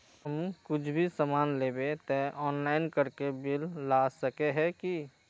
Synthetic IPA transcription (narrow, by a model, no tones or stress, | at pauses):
ɦəmkʊt͡ʃʰbʱisəmaːnleːbet̪ɛʔɔːnlaːɪnkəɾkebɪlːasəkeɦɛki